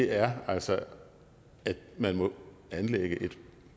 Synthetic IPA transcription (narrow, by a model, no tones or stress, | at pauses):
eæɐæl̰sɒ | æd̥mænmɔ̽ | ænleɡ̥əʔe̝d̥